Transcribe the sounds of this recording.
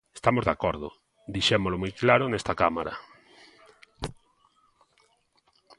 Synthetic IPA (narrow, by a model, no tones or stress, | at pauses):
est̪amozðakɔɾðʊ̰ | d̪iʃemolomɔjklaɾʊnɛst̪akamaɾa̰